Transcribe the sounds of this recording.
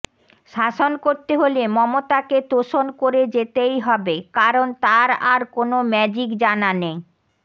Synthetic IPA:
ʃaʃonkoɾt̪eɦolemɔmot̪aket̪oʃonkoɾed͡ʑet̪ejɦɔbekaɾont̪aɾaɾkonomɛd͡ʑikd͡ʑanane

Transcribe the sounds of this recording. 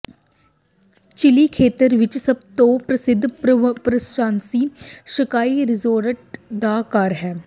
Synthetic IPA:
t͡ʃɪlikʰeːt̪əɾʋɪt͡ʃsɐb̚t̪opɾɐsɪd̪ʱːpɾɐsãːnsiːʃəkaːiɾɪzoːɾəʈ̚d̪aːkaːɾɦɛː

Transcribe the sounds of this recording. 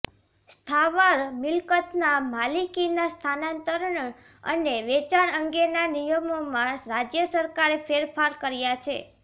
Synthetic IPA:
st̪ʰaʋaɾmɪlkət̪namalikinast̪ʰanãnt̪əɾɳ | ə̰neʋɛt͡ʃaɾəŋɡenanijəmomãɾad͡ʒjəsəɾkaɾepʰeɾfʰaɾkəɾjat͡ʃʰḛ

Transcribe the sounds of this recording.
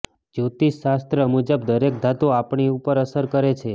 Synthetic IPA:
d͡ʒot̪iʃast̪ɾəmud͡ʒəb̚d̪əɾek̚d̪ʱat̪oapɳiupəɾəsəɾkəɾet͡ʃʰe

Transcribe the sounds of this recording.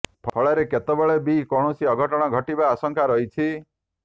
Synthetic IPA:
pʰɔɭaɾeket̪ɔbɔɭebikɔɽ̃osiɔɡʱɔʈɔɽ̃ɔɡʱɔʈibaːsɔŋkaɾɔɦit͡ʃʰi

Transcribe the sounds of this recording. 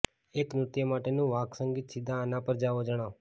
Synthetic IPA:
eknut̪jəmaʈenũʋaksəŋɡit̪sid̪ʱãːnapəɾd͡ʒaʋod͡ʒəɽ̃aʋ

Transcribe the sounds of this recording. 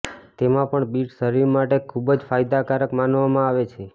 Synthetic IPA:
t̪emãpəɳbiʈsəɾiɾmaʈekʰubd͡ʒfajd̪akaɾəkmanʋamãaʋet͡ʃʰe

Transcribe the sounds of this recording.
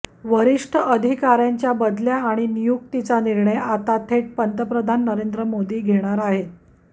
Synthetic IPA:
ʋəɾiʂʈʰəʔəd̪ʱikaɾjaɲt͡ɕjabəd̪ljaːɽ̃inijuk̚t̪it͡saniɾɳəjat̪at̪ʰeʈ̚pənt̪əpɾəd̪ʱanːəɾend̪ɾəmod̪iːɡʱeɽ̃aɾaɦe

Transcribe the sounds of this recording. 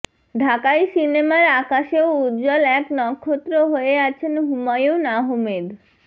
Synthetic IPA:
ɖʱakajsinemaɾakaʃeout̪d͡ʑɔlɛknɔkʰːot̪ːɾoɦoeat͡ɕʰenɦumajonaɦomed̪

